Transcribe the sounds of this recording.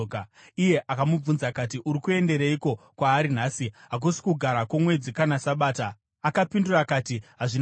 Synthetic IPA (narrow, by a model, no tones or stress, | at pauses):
ije̞ʔakamub͡vunzakatiʔuɾikue̞nde̞ɾeiko̞kwaːɾinaːsiɦak̬usi̥kuɡʱaɾakomwe̞d͡zikanasaɓaːtaː | kapindurakaːtiɦaʐin